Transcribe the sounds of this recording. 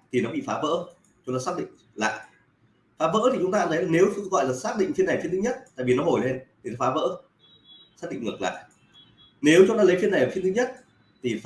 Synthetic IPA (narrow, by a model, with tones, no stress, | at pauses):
t̪ʰi˨˩nɔ˨˦ɓḭ˧˨faː˨˦və̰ː˧˥ | t͡ɕʊ˨˦ŋ͡mt̪aː˧˦saː˦˥k̚ɗḭ˧˨ŋ̟ | la̰ː˧˨jʔ | faː˨˦və̰ː˧˥t̪i˨˩t͡ɕʊ˨˦ŋ͡mt̪aː˧nə˨˦jne˨˦wsŋɣɔ̰˧˨jlaː˨˩saː˦˥k̚ɗḭ̈˧˨ŋ̟fi˧na˨˩fi˧ənt̪ɨ˨˦ɲə˦˥t̚t̪a̰ː˧˨jvi˨˩nɔ˨˦ɦo˨˩jle˧nt̪ʰi˨˩nɔ˨˦faː˨˦və̰ː˧˥ | saː˦˥k̚ɗḭ˧˨ŋɨ˨˩kla̰ː˧˨jʔ | ne˨˦wt͡ɕʊ˨˦ŋ͡mt̪aː˧lə˨˦jfi˧ənːa˨˩jma˨˩fi˧ənt̪ɨ˨˦ɲə˦˥t̚ | t̪ʰi˨˩